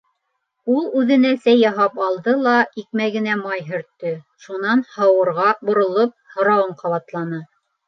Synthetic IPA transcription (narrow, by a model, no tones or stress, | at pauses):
ulˠʉðɘ̆næsæjːɑɦɑpɑlˠd̪ɤlˠɑik̚mæɡɘ̆næmɑjɦɵ̆ɾt̪ːɵ | ʃunɑnhɑwɤ̆ɾʁɑbŏɾŏlˠop̚hŏɾɑwɤɴqɑβɑt̪lˠɑnɤ